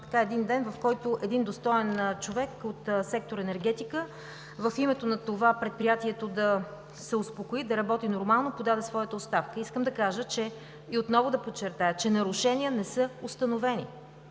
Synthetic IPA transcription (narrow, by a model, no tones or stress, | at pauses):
t̪ɐ̥kaɛd̪ind̪ɛnvɐfkɔjt̪oʔɛd̪ind̪ost̪ɔɛnt͡ʃovɛkot̪sɛk̚t̪oɾɛnɛɾɡ̟ɛt̪ikə | vəfimɛt̪onɐt̪ovapɾɛt̪̚pɾijat̪iɛt̪od̪ɐ | sɛospokoid̪ɐɾɐbɔt̪inoɾmalˠnopod̪ad̪ɛsvɔjət̪əot̪st̪afkəiskəmd̪ɐkaʒət͡ʃɛ | iot̪nɔvʊd̪ɐpot͡ʃːɛɾt̪ajət͡ʃɛnɐɾʊʃɛniənɛsɤost̪ənovɛnḭ